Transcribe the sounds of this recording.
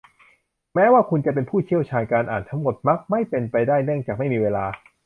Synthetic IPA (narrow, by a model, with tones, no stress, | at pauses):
mɛː˦˥waː˥˩kʰu˧nt͡ɕa˨˩p̬e˧npʰuː˥˩t͡ɕʰi˥˩əwt͡ɕʰaː˧nkaː˧nʔaː˨˩nt̪ʰa˦˥ŋmo˨˩t̪̚ma˦˥k̚ma˥˩jpe˧npa˧jdaː˥˩jnɯ˥˩əŋt͡ɕaː˨˩k̚ma˥˩jmiː˧weː˧laː˧